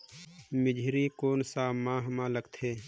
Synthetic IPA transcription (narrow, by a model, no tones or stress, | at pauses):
mɪd͡ʒʱɾikoːnsaːmãːɦmãːləɡt̪ʰeː